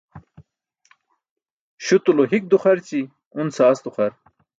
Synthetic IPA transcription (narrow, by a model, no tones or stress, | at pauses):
ɕut̪uloɦik̚d̪uχɐɾt͡ɕi | unsaːsd̪uχɐɾ